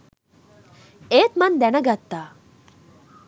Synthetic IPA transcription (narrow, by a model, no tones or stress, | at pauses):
eːt̪mand̪ɛnɐɡat̪ːa